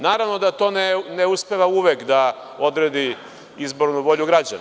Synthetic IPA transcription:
naːɾaʋno̞d̪at̪o̞ːneneuspe̞ʋauʋekd̪a | o̞d̪ɾed̪i | izbo̞ɾnuʋo̞ʎuɡɾad͡ʑa̰n

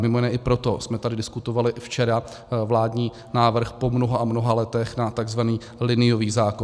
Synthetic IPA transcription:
mɪmo̞jɪnɛːʔɪpɾo̞t̪o̞smɛt̪adɪdɪskut̪o̞valɪft͡ʃɛɾa | vlaːdɲiː | naːvr̩xpo̞mnoɦaʔamnoɦalɛt̪ɛxnat̪aɡzvaniː | lɪnɪjoviːɣzaːko

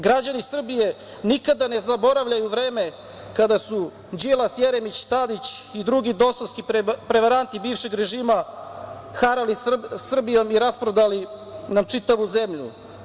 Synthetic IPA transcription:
ɡɾad͡ʑanisr̩bije | nikad̪ane̞zabo̞ɾaʋʎajuʋɾe̞ːme̞ | kad̪asu | d͡ʑilˠasjeɾemit͡ɕt̪ad̪it͡ɕid̪ɾuɡid̪o̞soskipɾe̞ʋaɾant̪ibiːfʃeɡɾe̞ʒiːma | xaɾalisr̩bijo̞miɾaspɾod̪alinamt͡ʂit̪aʋuze̞mʎṵ

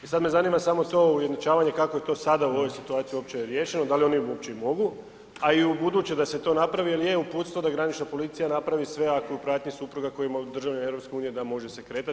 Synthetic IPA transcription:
isad̪me̞zaniːmasamot̪o̞ujed̪not͡ʃaːʋaɲe̞kako̞je̞t̪o̞ːsad̪auo̞ʋo̞jsit̪uaːt̪sijuo̞pt͡ɕeɾje̞ːʃe̞nod̪alio̞niuopt͡ɕe̞imo̞ɡu | aiubud̪uːt͡ɕed̪ase̞t̪o̞napɾaʋieljeupuːt̪st̪ʋod̪aɡɾanit͡ʃnapo̞lit̪sijanapɾaʋisʋe̞akojupɾaːt̪ɲisupɾuɡako̞jimod̪r̩ʒaʋneevɾo̞pske̞uːnije̞d̪amo̞ʒesekɾe̞ːt̪at̪

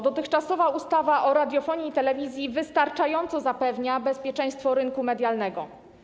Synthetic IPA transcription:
d̪ɔt̪ɘxt͡ʂasɔvaust̪avaʔɔɾad̪ʲjɔfɔɲiːt̪ɛlɛvʲizʲjivɘst̪aɾt͡ʂajɔnt̪sɔzapɛvɲabɛspʲjɛt͡ʂɛ̃j̃st̪fɔɾɘnkumɛd̪ʲjalnɛɡɔ

